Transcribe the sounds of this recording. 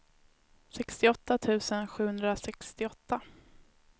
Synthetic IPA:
sɛkst̪ɪɔt̪ːat̪ʰʉ̟ːsənɧʉ̟ːhɵnd̪ɾasɛkst̪ɪɔt̪ːa

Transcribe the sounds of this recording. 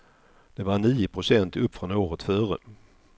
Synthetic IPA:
d̪̥ɛvaɳiːʊpʰɾʊsɛnt̪ɵpːfɾɔnoːɾət̪fœːɾə̰

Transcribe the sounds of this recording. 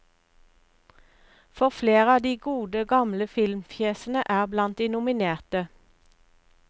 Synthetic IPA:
fɔʁfleːʁəɑːd̪iːɡuːd̪əɡɑmləfɪlmfʰjeːsən̩əʔæːʁblɑnt̪̚d̪iːnʊmɪneːʁt̪ə

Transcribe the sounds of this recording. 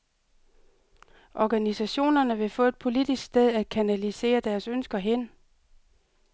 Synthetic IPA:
ʔɒɡ̥ænisæɕo̝̰ːnɐnəʋe̝fɔ̽ːe̝d̥̚pʰo̝lid̥isɡ̥sd̥eðˠæd̥̚kʰænælise̝̰ːɐd̥æɐsønsɡ̥ɐɦen

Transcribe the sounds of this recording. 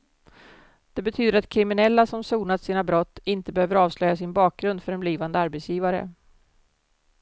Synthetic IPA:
d̪̥ɛbɛt̪ʰyːd̪əɾat̪kʰɾɪmɪnɛlːasɔmsuːnat̪siːnabɾɔt̪ːɪnt̪əbɛhøːvəɾɑːvslœjːasɪnbɑːk̚ɡɾɵnd̪fœɾɛnbliːvand̪əaɾbɛt̪sjiːvaɾə̰

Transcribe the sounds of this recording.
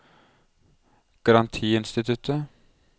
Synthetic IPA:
ɡ̥ɑɾɑnt̪ʰiːɪnst̪ɪt̪ʰʉt̪ə

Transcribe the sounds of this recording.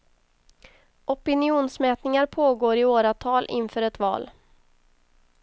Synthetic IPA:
ʔɔpɪnɪuːnsmɛːt̪nɪŋaɾpʰoːɡoːɾɪoːɾat̪ʰɑːlʔɪ̰nfœːɾɛt̪vɑ̰ːl

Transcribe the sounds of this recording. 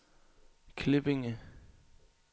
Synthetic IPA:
kʰlɪb̥ɪŋə

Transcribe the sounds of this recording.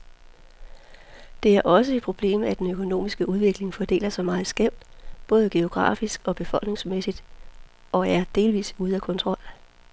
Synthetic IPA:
d̥e̝æɐʔɒ̽səe̝d̥̚pʰʁo̝b̥le̝̰ːmæd̥enøkʰo̝no̝̰ːmisɡ̥əʔuð̞ˠʋe̝ɡ̥le̝ŋfɒd̥e̝̰ːlɐsɒ̽mɑ̈ːð̩ˠsɡ̥em̰d̥b̥ɔ̽ːð̞ˠəɡ̥e̝o̝ɡ̥ʁɑ̰̈ːfisɡ̥ɒ̽b̥e̝fɒ̽l̰ɡ̥ne̝ŋsmesid̥ | ɒ̽æɐd̥e̝ːlʋḭːsuð̞ˠækʰɔ̽nt͡sʰʁɒ̽l̰

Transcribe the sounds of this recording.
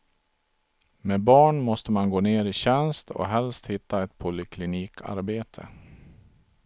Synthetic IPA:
mebɑːɳmɔst̪əmanɡoːneːɾɪɕɛnst̪ʰɔ̰ɦɛlst̪hɪt̪ʰːaɛt̪pʰʊlɪkʰlɪniːkʰa̰ɾbeːt̪ʰə̰

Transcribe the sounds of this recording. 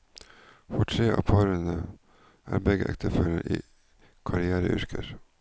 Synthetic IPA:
fɔʈʰɾeːʔɑ̰ːpʰɑːɾənə | ʔæːɾbɛɡəʔɛkt̪ʰəføːlə̰ʔiː | kʰɑɾɪæːɾəʔʉɾkʰəɾ

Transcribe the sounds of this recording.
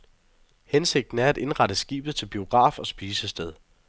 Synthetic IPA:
hense̝ɡ̥̚d̥n̩æɐæd̥e̝nʁɑ̈ɾ̥əsɡ̥ḭːb̥ð̞̩ˠt͡sʰe̝lb̥io̝ɡ̥ʁɑ̰̈ːfɒ̽sb̥iːsəsd̥eð̞ˠ

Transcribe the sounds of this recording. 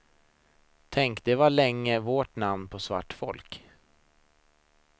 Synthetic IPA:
t̪ʰɛŋkd̪ɛvaɭɛŋːəvoʈnamnpʰɔsva̰ʈːfɔ̰lk

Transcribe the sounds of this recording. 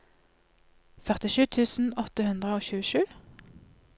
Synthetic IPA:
fœʁt̪ɪʃʉːt̪ʰʉːsn̩ɔt̪əhʉnd̪ʁəoːçʉːəʃʉː

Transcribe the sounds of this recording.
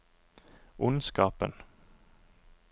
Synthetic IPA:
ʔʊnskɑːpə̰n

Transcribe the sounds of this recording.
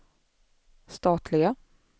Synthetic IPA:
st̪ɑːt̪ʰlɪɡa

